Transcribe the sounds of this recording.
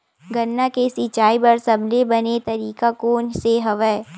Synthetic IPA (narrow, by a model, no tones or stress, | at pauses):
ɡɐnːakesit͡ʃaːibɐɾsɐblebɐnet̪ɐɾiːkakoːnseɦɐʋɛː